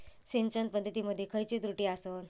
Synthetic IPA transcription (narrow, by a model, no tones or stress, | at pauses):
sent͡ɕən̚pəd̪ʱːət̪̬iːməd̪ʱjekʰəjt͡ɕiːt̪ɾuʈiːason